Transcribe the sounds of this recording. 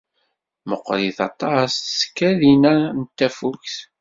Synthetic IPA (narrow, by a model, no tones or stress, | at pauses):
məqːɾiθɑt̪ˤɑsskːæðinænt̪ːæfukθ